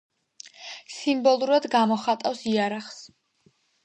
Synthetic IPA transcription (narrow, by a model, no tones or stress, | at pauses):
simbɔlˠuɾad̪ɡamɔχat̪ʼafsiaɾaχs